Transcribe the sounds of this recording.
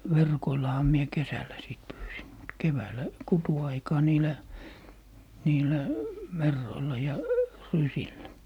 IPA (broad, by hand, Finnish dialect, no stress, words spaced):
ʋerkoilːɑhɑ mie kesælːæ sit pyːsim mut keʋæːlːæ kutuɑikɑː niːlæ niːlæ merːoilːɑ jɑ rysilːæ